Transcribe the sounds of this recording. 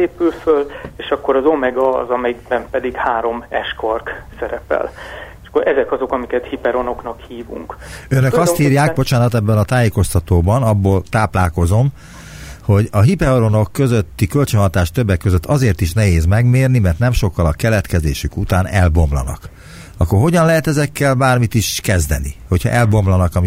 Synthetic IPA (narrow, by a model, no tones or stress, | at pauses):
eːpylføleːʃɒkːo̞ɾɒzomɛɡɒzɒmɛjiɡbɛmpɛd̪iɡhaːɾo̞mɛʃkorksɛɾɛpɛ̰leʃɒ̥kːoɾʔɛzɛkɒzo̞kɒmikɛt̪hipɛɾo̞noknɒkhiːvṵŋkønøkɒshiːrjaːɡbo̞t͡ʃaːnɒt̪ɛbːɛnɒt̪aːjeːko̞st̪ɒt̪oːbɒnɒbːoːlt̪aːplaːko̞zo̞m | ho̞ɟɒɦipɛɾoɾono̞kːø̞zøt̪ːikø̞lt͡ʃønɦɒt̪aːʃt̪ø̞bːɛkːøzøt̪ʰːɒzeːrt̪iʃnɛɦeːzmɛɡmeːrnimɛrt̪nɛmʃo̞kːɒlɒkɛlɛt̪kɛzḛːʃykut̪aːnɛlbo̞mlɒ̰nɒ̰k | ɒkːorɦo̞ɟɒnlɛɦɛt̪ɛzɛkːɛlbaːrmit̪iʃkɛzd̪ɛ̰nḭho̞cʰhɒ̰ʔɛlbo̞mlɒnɒkɒmi